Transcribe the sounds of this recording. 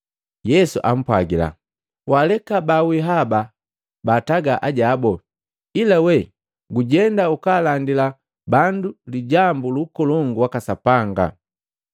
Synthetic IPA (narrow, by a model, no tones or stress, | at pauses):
jɛsuʔa̰m̩pwaɡila̰ | walɛkabawiɦaba | baːtaɡaʔaɟaːbɔ | ilawɛ | ɡuɟɛndaukaːlandila | banduliɟambulukɔlɔŋɡuwakasapaŋɡa̰